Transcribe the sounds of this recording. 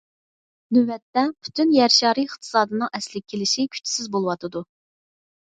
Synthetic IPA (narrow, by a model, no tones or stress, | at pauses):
nywɛt̪ːɛpʰy̥t̪ʰynjæɾʃɑːɾiɪχt̪ʰɨ̥sɑːd̪ɨnɨŋɛslɪkʲʰːelɪʃikʲʰy̥t͡ʃʰːi̥sɪzbolˠɨwɑt̪ʰɨd̪u